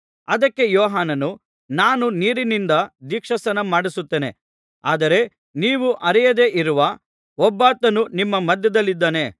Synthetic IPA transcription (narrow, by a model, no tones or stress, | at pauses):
ɐd̪ɐkːe̞jɔːɦaːnɐnu | naːnuniːɾinind̪ɐd̪ikʂɐsɐnɐmaːɽisut̪ːeːne̞ | aːd̪ɐɾe̞ | niːʋuʔɐɾɛjɐd̪e̞ʔiɾuʋɐ | ɔbːaːt̪ɐnunimːɐmɐd̪jɐd̪ɐlːid̪ːaːne̞